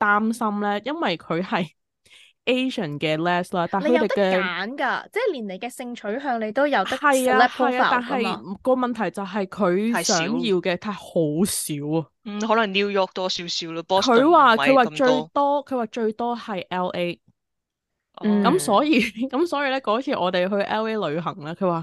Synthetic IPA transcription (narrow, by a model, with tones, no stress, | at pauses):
t̪aː˥msɐ˥mlɛː˥jɐ˥nwɐ˨jkʰɵ˨˧ɥhɐ˨j | ʔe˥jʃə˨˩nkɛː˧lɛː˥slaː˥t̪aː˨˩ŋle˧kɵ˧jt̪e˨t̪ɛ˧kaː˨˥nka̰ː˧t͡sɛː˥˩liː˨˩nle˨˩jkɛː˧sɪ˧ŋt͡ʃʰɵ˨˥ɥɦœː˧ŋnle˨˧jt̪o˥wjɐ˨˧w̪ɐ˥ɐ˨jaː˧ɛ˥hɐ˨jaː˧˨t̪aː˨nɦɐ˨jkɔː˧mɐ˨nt̪ʰɐ˨˩jt͡sɐ˨wɦɐ˨jkʰɵ˨˧ɥsœː˨˥ŋjiː˧wkɛ˧t̪ʰaː˧ho˨˥wsiː˨˥wɐ˨hɔː˨˥lɐ˨˩ŋni˥wjɔː˥k̚t̪ɔː˥si˨˦˥siː˨˥wɔ˧pɔ˥kʰɵ˨˧ɥwaː˨kʰɥwaː˨˩t͡ʃɵ˧ɥt̪ɔː˥kʰɵ˨˧ɥwaː˨˩t͡ʃɵ˧ɥt̪ɔː˥hɐ˨jʔɛː˥lʔe˥˩ | kɐ˨˧˥msɔː˨˥jiː˨˧kɐ˨˥msɔː˨˥jiː˧lɛː˥kɔː˨˥t͡sʰiː˨˩ʔɔː˨˧t̪e˨jɦɵ˧ɥʔɛː˥we˥lɵ˨˧ɥɦɐ˨˩ŋlaː˥kʰɵ˨˧waː˨˩